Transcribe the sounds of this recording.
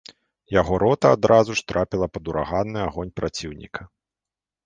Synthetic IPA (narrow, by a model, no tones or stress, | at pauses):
jaɣɔɾɔt̪ɐad̪ɾʔazuʂt̪ɾʔapʲilˠɐpɐd̪uɾaɣanːɨaɣɔnʲpɾʔat͡sʲiwnʲḭkʰɐ